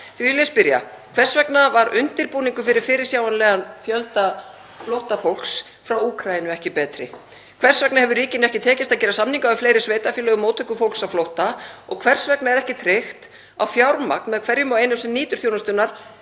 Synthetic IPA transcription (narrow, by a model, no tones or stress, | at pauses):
θvilɪspɪɾja̰ | kʰvɛr̥svɛknavaɾʏnt̪ɪɾpuːniŋkʏfɪɾɪɾ̥fɪɾɪ̥sjaːwanlɛɣanfjœlt̪a | flowht̪afowl̥ks | fɾawuːkʰɾajɪnʏɛhcɪpɛːt̪ɾɪ̰ | kʰvɛr̥svɛknahɛvʏɾiːcɪnɛhcɪt̪ʰɛːcɪst̪aðcɛːɾasamniŋkaʏfleːjɾɪsveːjt̪afilœɣʏmoːwt̪ʰœʏhkʏfowlksaðflowht̪aɔ̰ɣkʰvɛr̥svɛknaɛɾɛhcɪt̪ʰɾɪxt̪ | a̰wfjawɾma̰k̚nmɛðkʰvɛɾjʏmawejnʏmsɛnniːt̪ʏɾ̥θjownast̪ʏnaɾ̥